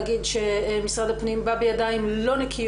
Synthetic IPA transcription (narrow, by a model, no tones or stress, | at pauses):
ɡidʃemisʁad̪apnimbabejad̪aimlo̞nekʰij